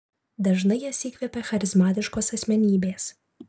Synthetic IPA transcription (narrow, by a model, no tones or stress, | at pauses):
d̪ɐʒnɐɪjɛsʲiːkʋʲɛpʲɛxɐɾʲɪzmɑːt̪ʲɪʃkoːsɐsʲmʲɛnʲiːbʲeːs